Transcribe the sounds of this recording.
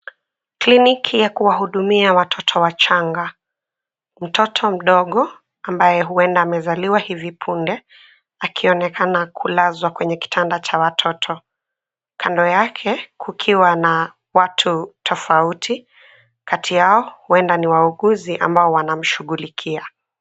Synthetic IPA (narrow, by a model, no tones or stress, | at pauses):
klinikʰijakuwaɦuɗumiawatʰɔtʰɔwat͡ʃaŋɡa | m̩tɔtʰɔm̩ɗɔɠɔ | ambajɛɦuɛndaːmɛzaliwahivipʰundɛ | akʰiɔnɛkanakʰulazwakwɛɲɛki̥tʰandat͡ʃawatʰɔtʰɔ | kʰandɔjakʰɛkʰukʰiwana | watʰutʰɔfautʰi | kʰatʰijaɔhuɛndaniwauɠuziʔa̰mbaɔwanam̩ʃuɠulikʰia